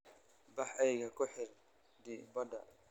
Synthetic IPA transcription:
baħajɡakɔħɛɾ | dibada̰

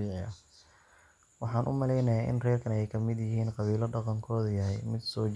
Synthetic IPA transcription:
iːʕɪɐ | wɑħɑːnʔʊ̰mɐlɛjnɐjaːʔɪ̰nrɛːrkʰɐnɛjkʰɐmɪd̪jɪɦiːnqɑβiːlɐɖɑqɑŋkʰɔːðjɐɦɛjmɪd̪sɔː

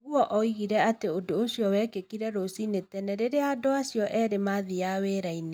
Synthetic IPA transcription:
uɔʔɔiɣiɾɛateodoːsijɔwɛːkekiɾɛɾosinetɛnɛɾeɾeadoasjɔʔɛɾemaðijaweːɾaine

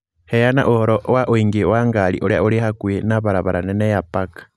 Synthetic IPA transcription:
hejana̰ʔohoɾɔʔwaʔoiŋɡiwaŋɡalḭʔoɾa̰uɾihakwenaβaɾaβaɾʔanenejapakḁ

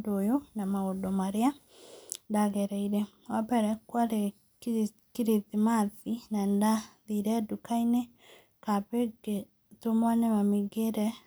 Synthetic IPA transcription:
dojonamaodɔmaɾea | ndaɣɛɾɛiɾɛ | wabɛɾɛkwaɾe | kiɾiðimaðinandaðiɾɛdukainɛ | kapeɡe | tomwanɛmamiɡeɾɛ

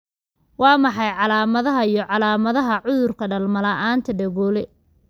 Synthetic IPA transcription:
wɑːmɑħɑjʕɑlaːmɐðɐɦɐijɞʕɑlaːmɐðɐɦɐʕʊðʊrkʰɐɖɐlmɐlɐʔaːnt̪ʰɐɖɐɣɔːlɛ

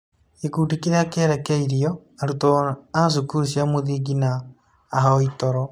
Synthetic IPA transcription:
ekuːdikiɾeakeɾekeiɾiɔ | aɾutoas̬ukusiamoðiɡinaː | ɦɔitɔɾɔ

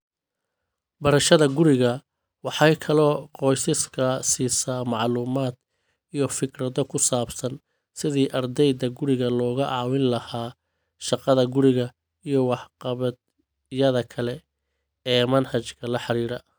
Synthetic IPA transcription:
bɐɾɐʃɐðɐɡʊɾɪɣɐ | wɑħɑjkʰɐlɔːqɔːjsɪskʰɐsiːsaːmɑʕluːmaːd̪ | ijɞfɪkrɐðɔkʰʊsaːbsɐn | sɪðiːʔɐrd̪ɛjd̪ɐɡʊɾɪɣɐlɔːɣɐʔɑːwɪnlɐhaː | ʃɑqɑðɐɡʊɾɪɣɐ | ijɞwɑħqɑβɐd̪ | jɐðɐkʰɐlɛ | ɛːmɐnhɐt͡ʃkʰɐlɐħɑɾiːɾɐ

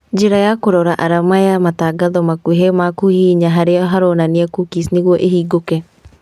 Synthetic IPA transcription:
d͡ʒeɾajakoɾɔɾaʔaɾamajamataɡaðɔmakuɦemakuhiːɲaɦaɾeɔɦaɾɔːnaneɛkukisneɣwɔʔeɦiːɡokɛ

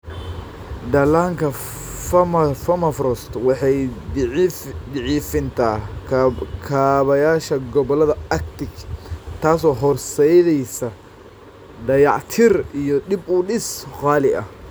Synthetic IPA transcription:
d̪ɐlaːŋkʰɐ | fɐmɐfɐmɐfɾɔst̪wɑħɑj | d̪ɪʕiːfɪnt̪ʰaː | kʰaːβɐjaːʃɐɡɔβɔlɐðɐɐkt̪ɪkt̪ʰaːsɔːɦɔrsɛjðɛjsɐ | ɖɐjɑʕt̪ʰɪrijɔɗɪbʊɗɪsqɑːlɪʔɐ̰h

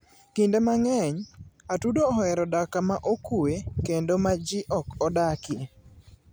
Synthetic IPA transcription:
kindemaŋɛɲatudoɔɛɾɔdakamaʔokuwekendomad͡ʒɪʔɔkɔdakje

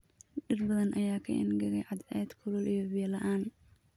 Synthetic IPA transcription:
ɖɪrbɐðɐnʔɐjaːkʰɐ̰ʔɪ̰nɡɐɣɛjʕɑd̪ʕɛːd̪kʰʊlʊlʔijɔβɪjɐlɐʔaːn

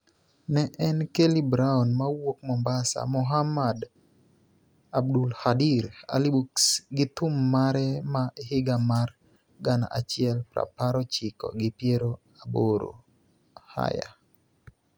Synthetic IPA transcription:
nɛʔɛnkelibɾaɔnmawok̚mɔmbasa̰mʊɦamad | abdulhadiɾa̰libuksɡɪt̪ʊmːaɾɛmaehɪɡamar | ɡana̰ʔat͡ʃɪɛlpɾa̰paɾɔt͡ʃɪkɔ̰ɡɪpjeɾo | aboɾo̰ | ha̰ja̰

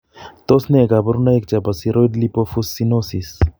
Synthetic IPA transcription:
t̪osnekabɐɾunaek̚t͡ʃapasiɾojd̪lipofusːinosis

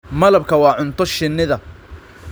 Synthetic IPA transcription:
mɐlɐbkʰɐwɑːʕʊnt̪ʰɔʃɪnːɪðɐ

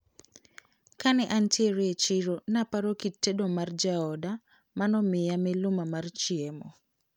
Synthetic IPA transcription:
kanɛʔantjeɾet͡ʃiɾonapaɾokitːedomard͡ʒaɔda | manɔmɪjamelʊmamart͡ʃemɔ̰

